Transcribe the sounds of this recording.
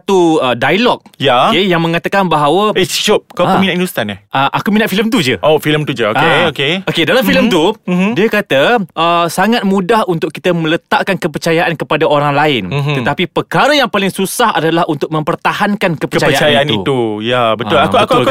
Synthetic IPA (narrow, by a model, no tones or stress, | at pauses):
t̪uədajlɔk̚jaejaŋmə̃ŋat̪akanbaɦawaesi̥ʃop̚kaəminaindust̪anaʔəʔakuminaʔfiləmt̪ud͡ʒəʔofiləmt̪ud͡ʒəokeokeokedalamfiləmt̪udiəkat̪əʔəsaŋat̪̚mũdahunt̪ʊk̚kːit̪əmə̃lət̪aʔkankəpərt͡ʃajaʔankəpadaoɾaŋlaɪnt̪ət̪apipərkaɾəjaŋpalɪŋsusaha̰dalahunt̪ʊk̚mə̃mpərt̪ahankankəpəkət͡ʃaəjat͡ʃaajaaniṵt̪ujabət̪ʊlauakuak